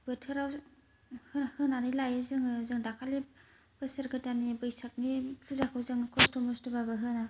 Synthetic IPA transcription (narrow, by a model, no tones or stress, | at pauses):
bɯtʰɯɾaw | hɯhɯnanilajɯzɯŋzɯŋdakʰale | bɯsɯɾɡɯtanibɯjsak̚nipʰuzakʰɯwzɯŋkʰɔstɔmɔstɯbabɯɦɯna